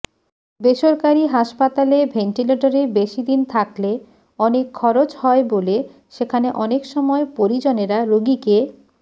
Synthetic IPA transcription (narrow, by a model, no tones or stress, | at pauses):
beʃoɾkaɾiɦaʃpat̪alebʱeɳʈileʈoɾebeʃid̪int̪ʰakle | ɔnekʰːɔɾot͡ɕhɔebole | ʃekʰaneʔɔnekʃɔmɔepoɾid͡ʑoneɾaɾoɡike